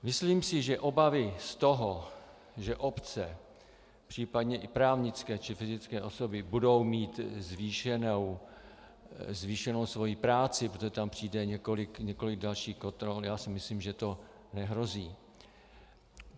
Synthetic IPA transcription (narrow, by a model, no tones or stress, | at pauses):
mɪsliːmsɪʒɛʔo̞bavɪst̪o̞ɦo | ʒɛʔo̞pt͡sɛ | pr̝̥iːpadɲɛʔɪpɾaːvɲɪt͡skɛːt͡ʃɪfɪzɪt͡skɛːʔo̞so̞bɪbudo̞wmiːt̪zviːʃɛnow | zviːʃɛnowsvo̞jipɾaːt͡sɪpɾot̪oʒɛt̪ampr̥iːdɛɲɛkolɪkɲɛko̞lɪɡ̚dalʃiːxkont̪ɾoljaːsɪmɪsliːmʒɛt̪o̞ | nɛɦɾo̞ziː